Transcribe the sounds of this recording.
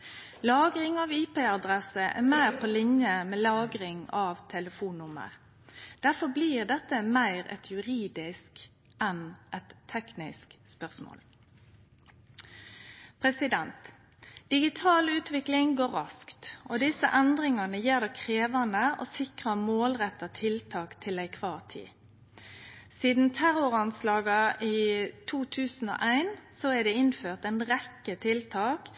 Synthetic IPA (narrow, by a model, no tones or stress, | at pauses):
lɑːɡɾɪŋɑʋiːpeːɑd̪ʁɛsəʔæ̰mæɪʁpʰolɪnjəmeːlɑːɡɾɪŋɑʋt̪ʰɛləfuːnːʊmə̰ʁ | d̪̥æʁfɔbliːʁd̪ɛt̪ːəmæɪʁɛ̰t̪ʰjʉɾiːd̪ɪsk | ʔɛnʔɛt̪ʰːɛknɪskspœʁsmo̰ːl | pʰʁɛsɪd̪ɛnt̪ | d̪̥ɪɡɪt̪ʰɑːlʉːt̪ʋɪklɪŋɡoːʁɑskt̪ʔɔd̪ɪsə̰ʔɛnd̪ʁɪŋɑnəjiːʁd̪ɛkʰʁeːʋɑnəʔoːsɪkʁəmoːlʁɛt̪ːɑt̪ʰɪlt̪ʰɑːkt̪ʰɪlæɪkʰʋɑːʁt̪ʰḭː | siːd̪n̩t̪ʰæʁɔʁɑnslɑːɡɑʔit̪ʰuːt̪ʰʉːsn̩ɔ̰ːʔæɪnsɔæɖ̪ɛɪnføːʁt̪æɪnʁɛkːət̪ʰɪlt̪ʰɑːk